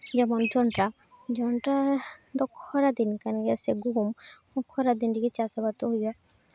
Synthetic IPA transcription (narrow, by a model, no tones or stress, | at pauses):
d͡ʒɛmɔnd͡ʒɔnʈa | d͡ʒɔnʈad̪ɔkʰːɔɾad̪inkanɡɛseɡuɦum | ɔkʰːɔɾad̪inʈikit͡ʃasɔbat̪ɔɦojɔ